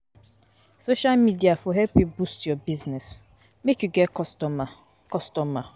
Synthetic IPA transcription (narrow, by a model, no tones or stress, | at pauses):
soʃalmidiafɔɦɛlpibustjɔbiznɛs | mekjuɡɛtɔ | kɔstɔma